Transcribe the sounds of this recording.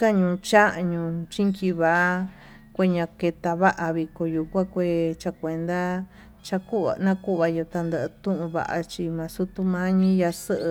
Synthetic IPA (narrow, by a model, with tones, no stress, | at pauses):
ka˦ɲũ˧t͡ʃa˦ʔɲũ˧t͡ʃi˦ŋki˧βa˨ʔa˦ | kʷe˧ɲã˧ke˧t̪a˧βa˦ʔa˧βi˧ko˧ju˧kʷã˦kʷe˧˨t͡ʃa˧kʷe˨nd̪a˦ | t͡ʃa˧ku˦βa̰˧nã˦ku˦ʔβa˧jo˧t̪a˧nd̪ə˧˨ʔt̪ũ˦ʔũ˧βa̰˨ʔa̰˧t͡ʃi˧mã˨˧su˦t̪u˧mã˦ɲĩ˦ja˧sə˦ʔ